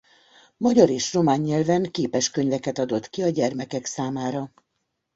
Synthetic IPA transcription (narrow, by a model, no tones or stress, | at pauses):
mɒɟɒɾeːʃro̞maːɲːɛlvɛŋkeːpɛʃkø̞ɲvɛkɛt̪ɒd̪o̞t̪kiɒɟɛrmɛkɛksaːmaːɾɒ